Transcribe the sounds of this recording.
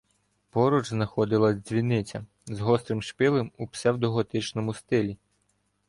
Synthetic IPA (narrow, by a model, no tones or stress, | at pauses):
pɔɾud͡ʒznɐxɔd̪ɪlˠɐzʲzʲʋʲinɪt͡sʲɐ | zɦɔst̪ɾɪmʃpɪlˠemupsɛwd̪ɔɦɔt̪ɪt͡ʃnɔmʊst̪ɪlʲi